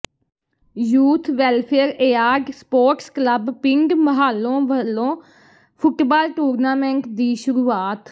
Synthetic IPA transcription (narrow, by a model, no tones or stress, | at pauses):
juːt̪ʰʋɛːlpʰeːɾeːaːɡspoːɾʈskləbpɪŋɡməɦaːlːõːʋəlːõː | pʰʊʈbaːlʈuːɾnaːmɛ̃ɳʈd̪iːʃʊɾuːaːt̪